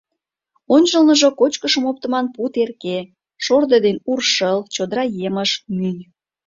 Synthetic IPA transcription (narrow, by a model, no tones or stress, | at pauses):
onʲt͡ɕəlnəʒokot͡ɕkəʃəmop̚t̪əmɑnput̪erke | ʃord̪ed̪enurʃəlt͡ɕod̪əɾɑjeməʃmyjʲ